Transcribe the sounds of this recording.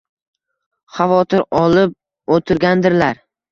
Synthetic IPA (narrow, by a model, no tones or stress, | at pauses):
χavɒt̪ʰɪɾɒlˠɪp̚ | ot̪ʰɪɾɡʲand̪ɪɾlaɾ